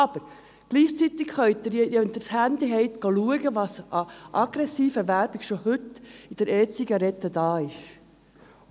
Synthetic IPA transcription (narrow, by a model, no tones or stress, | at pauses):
ɑb̥əɾ | ɡ̥liːχt͡sit̪ɪkχœʏtd̪əɾjɛjɛnt̪əshænd̪iɦɛɪt̪ɡ̥oluəɡəʋɑsʔɑʔɑɡɾɛsiːfəʋæɾb̥ɪɡ̥ʃɔhʏt̪ɪd̥əɾɛːt͡siɡɑɾɛt̪ːədɑːɪʃ